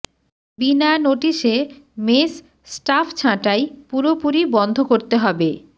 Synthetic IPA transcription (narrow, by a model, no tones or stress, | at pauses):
binaenoʈiʃemes | sʈafʰt͡ɕʰãʈajpuɾopuɾibɔnd̪ʱokoɾt̪eɦɔbe